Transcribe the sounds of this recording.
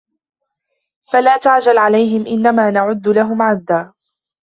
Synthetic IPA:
falaːt̪aʕd͡ʒalʕalajɦɪmʔɪnːamaːnaʕʊd̪ːʊlaɦʊmʕad̪ːaː

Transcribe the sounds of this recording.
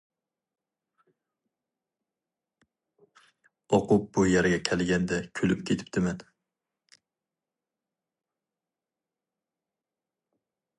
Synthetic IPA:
ɒqʊp̚bʊjaɾɡʲakʲʰalˠɡʲand̪akʲʰɵlɪp̚kʲʰet̪ʰɪ̥p̚t̪ɪman

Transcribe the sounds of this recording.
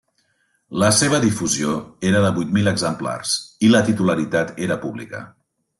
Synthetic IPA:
ləseβ̞əðifuzioeɾəðəβujt̪miləɡzəmpla̰rsilət̪it̪uləɾit̪at̪eɾəpuβlḭkə̰

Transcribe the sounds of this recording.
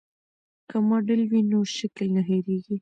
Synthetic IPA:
kamɑɖəlwinoʃaklnaɦeɾeɡi

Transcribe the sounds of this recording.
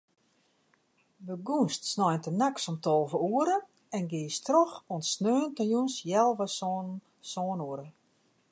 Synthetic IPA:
bəɡunstsnɔjntənaksɔmtʰɔlˠvəuəɾə | ɛnɡɪəstroxɔnsnøːntəjunsjɛlˠʋɔ | sɔːnuəɾə

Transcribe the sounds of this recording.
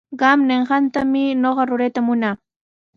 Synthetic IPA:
ɢɑmneɴɢɑnt̪amɪnoɢɑɾʊɾejt̪amʊnaː

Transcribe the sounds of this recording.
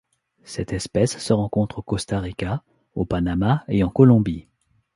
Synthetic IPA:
sɛt̪ɛspɛsːəʁɑ̃kɔ̃t̪χokɔst̪aʁika | opanamaeɑ̃kɔlɔ̃bi

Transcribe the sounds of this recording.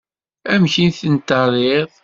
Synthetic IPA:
æmçinθənt̪ɑrˤeðˤ

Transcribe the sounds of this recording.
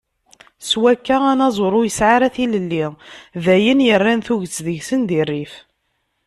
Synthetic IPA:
swækːaænɑzˤoɾˤʊjəsʕaɾæθiləlːivæjənjərːænθuʝət͡sːðəʝsənd̪irːif

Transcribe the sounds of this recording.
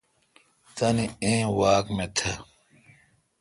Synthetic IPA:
t̪ɐniẽːwaːkmẽt̪ʰɐ

